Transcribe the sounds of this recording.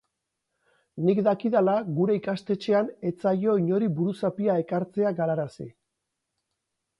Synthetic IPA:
nikd̪akiðalaɣuɾe̞ikast̪e̞t͡ʃe̞ane̞t͡saʎo̞iɲo̞ɾibuɾusapiae̞kaɾt͡se̞aɡaɾaɾasḭ

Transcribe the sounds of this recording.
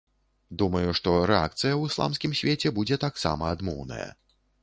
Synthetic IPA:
d̪umɐjuʂt̪ɔɾɛa̰k̚t̪sɨjɐwɨslˠa̰mskʲimsʲvʲet͡sʲɛbud͡zʲɛt̪aksa̰mɐad̪mɔ̰wnɐ̰jɐ̰

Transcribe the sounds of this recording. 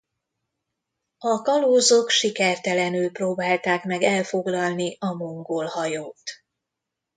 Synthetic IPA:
ɒkɒloːzokʃikɛrt̪ɛlɛnylproːbaːlt̪aːkmɛɡɛlfo̞ɡlɒlniʔɒmoŋɡolhɒjoːt̪

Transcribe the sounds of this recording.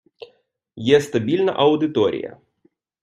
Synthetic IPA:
jɛst̪ɐbʲilʲnɐ̰ʔɐwd̪ɨt̪ɔɾʲḭjɐ̰

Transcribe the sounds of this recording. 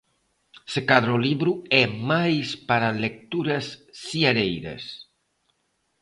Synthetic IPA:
sekaðɾoliβɾuɛmajspaɾalek̚t̪uɾɐsːiaɾejɾɐ̰s

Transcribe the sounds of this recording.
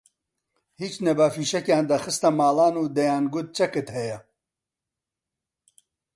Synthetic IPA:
hiːt͡ʃnɛbaːfiːʃɛkjaːnd̪ɐxɨst̪ɐmaːlaːnuːd̪ɐjaːnɡʊt̪̚t͡ʃʰɐkɨt̪hɛjɛ

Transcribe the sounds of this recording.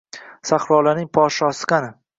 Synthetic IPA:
saχɾɒːlanɪŋpʰɒʃɒːsɨ̥qanɪ

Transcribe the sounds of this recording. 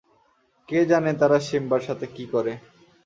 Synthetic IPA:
ked͡ʑanet̪aɾaʃimbaɾʃat̪ʰekikɔɾe

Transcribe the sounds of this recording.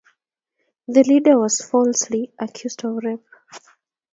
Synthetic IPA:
ðəlidə˞wɔz̥fɔlsliʔəkʰj̥uzdɔvɹɛp

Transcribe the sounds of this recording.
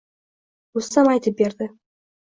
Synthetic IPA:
ɵsamɑjt̪əp̚beɾd̪ɪ

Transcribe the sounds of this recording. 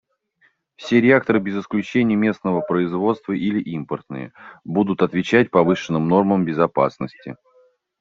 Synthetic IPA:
fsʲe̞ɾʲɪak̚t̪əɾɨbʲɪzɪsklʲʉt͡ɕenʲɪjəmʲe̞snəvəpɾəɪzvo̞t̪st̪vəʔilʲɪʔimpərt̪nɨ̰jə̰bud̪ʊt̪ɐt̪vʲɪt͡ɕæt̚ʲpɐvɨʂɨnːɨmno̞rməmbʲɪzɐpa̰snəsʲtʲɪ

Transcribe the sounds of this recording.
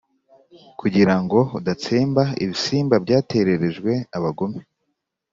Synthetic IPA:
kʰuɟiɾaŋɡo̞udat͡seːmbaḭβisiːmbabɟaːte̞ɾe̞ɾe̞ʒɡwe̞aβaɡo̞me

